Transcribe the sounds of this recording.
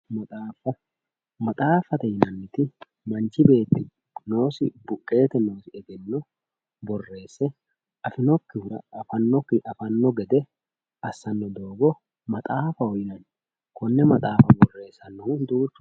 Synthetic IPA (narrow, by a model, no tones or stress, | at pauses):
mɐt̪ʼaːfɐ | mɐt̪ʼaːfɐt̪ɛhɪnɐnːɪt̪ɪ | mɐnt͡ʃɪbe̞ːt̪ːɪ | no̞ːsɪbʊkʼːe̞ːt̪ɛno̞ːsɪɛɡɛnːɔ | bɔrːe̞ːsːɛ | ʔɐfɪnɔkːɪhʊɾɐ̰ɐfɐnːɔkːɪʔɐfɐnːɔɡɛd̪ɛ | ɐsːɐnːɔd̪o̞ːɡɔ | mɐt̪ʼaːfɐɔjɪnɐn | kɔnːɛmɐt̪ʼaːfɐbɔrːe̞ːsːɐnːɔʊnd̪uːt͡ʃː